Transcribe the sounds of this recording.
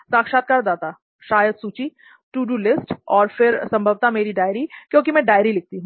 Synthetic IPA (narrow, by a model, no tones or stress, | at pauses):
saːkʃaːt̪̚kaːɾd̪aːt̪a | ʃaːjəd̪suːt͡ʃi | ʈuːɖulɪsʈɔːɾfɪɾsɐ̃mbʱəʋt̪ameːɾiɖaːɪɾikjõːkimɛ̃ɖaːjɾilɪk̚t̪iɦũ